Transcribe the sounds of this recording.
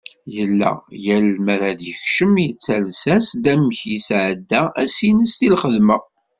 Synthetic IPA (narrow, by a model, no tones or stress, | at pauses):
jəlːæ̰jælmæɾæd̪jəçʃəmjət͡sːælsæsd̪æməçisʕəd̪ːææsinəsθilχəðmæ